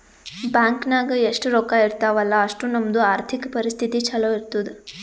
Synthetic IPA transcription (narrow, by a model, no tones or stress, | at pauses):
bjaːŋknaːɡɐeʂʈuɾoːkaiɾt̪aːʋɐlːɐːʂʈunɐmɐd̪uaːɾt̪ʰikɐpɐɾist̪ʰit̪it͡ʃʰɐloiɾt̪ud̪e